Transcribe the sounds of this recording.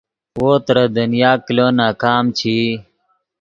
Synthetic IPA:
woːt̪ɾɐd̪ɐnjaːkiloːnaːkaːmt͡ɕʰiː

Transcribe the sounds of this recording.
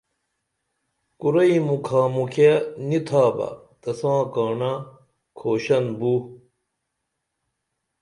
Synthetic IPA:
kuɾɐimukʰaːmukʰenit̪ʰaːbɐ̰t̪ɐsãːkaːɳa | kʰoːɕɐnbu

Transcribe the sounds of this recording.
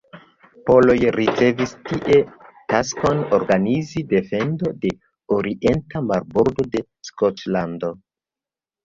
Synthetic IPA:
po̞lo̞jɾit͡se̞vistiʔe̞tasko̞no̞ɾɡanizide̞fe̞ndo̞de̞ | oɾiʔe̞ntamaɾboɾdo̞de̞ | skot͡ʃlando̞

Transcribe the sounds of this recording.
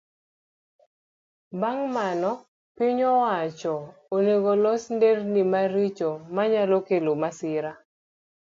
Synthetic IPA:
baŋmanɔ | pɪɲɔwat͡ʃɔ | oneɡolɔsndernimaɾit͡ʃɔmaɲalokelomasɪɾa

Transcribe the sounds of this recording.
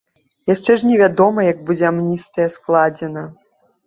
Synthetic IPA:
jaʂt͡ʂɛʐnʲɛvʲad̪ɔmɐjɐɡ̚bud͡zʲɛamnʲist̪ɐjɛsklˠad͡zʲɛnɐ

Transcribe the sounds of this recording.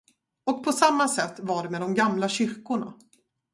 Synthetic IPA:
ɔk̚pʰɔsamːasɛt̪ːvaɖɛmeːd̪ɔmɡamlaɕʏɾkʊɳa̰

